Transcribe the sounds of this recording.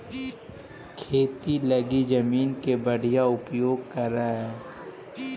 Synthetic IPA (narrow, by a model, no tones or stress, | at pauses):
kʰeːt̪iləɡid͡ʒəmiːnkebəɽ̤ijaʊpjoːɡ̚kɐɾːaɦɛː